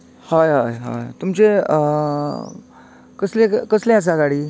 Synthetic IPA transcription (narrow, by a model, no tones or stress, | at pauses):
hajɦajɦa̰jt̪umt͡ɕe | kəslẽkəslẽas̬aɡaɽiː